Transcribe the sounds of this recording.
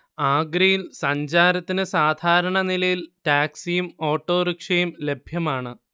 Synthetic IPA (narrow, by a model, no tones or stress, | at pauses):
aːɡɾijilsɐɲd͡ʑaːɾɐt̪ːinɨsaːd̪ʱaːɾɐɳɐnilɐjilʈaːksijumo̞ːʈːo̞ːɾikʂɐjumle̞bʱjɐmaːɳɨ